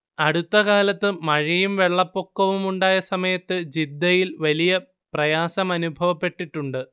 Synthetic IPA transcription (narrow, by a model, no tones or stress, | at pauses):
ɐɽut̪ːɐɣaːlɐt̪ːɨmɐɻɐjumʋe̞ɭːɐpːo̞kːɐʋumuɳɖaːjɐsɐmɐjɐt̪ːɨd͡ʑid̪ːɐjilʋɐlijɐ | prɐjaːsɐmɐnubʱɐʋɐpːe̞ʈːiʈːuɳɖɨ